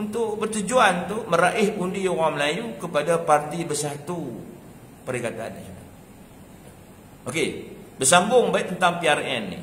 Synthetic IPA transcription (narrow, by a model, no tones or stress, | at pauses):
unt̪ʊʔbərt̪ud͡ʒuant̪uməɾaʔɪhundiowaməlajukəpadapart̪ibərsat̪u | pəɾikat̪a̰nːa̰t͡ʃona | ʔokebərsambʊŋbaɪʔt̪ənt̪aŋpiarɛnːḭ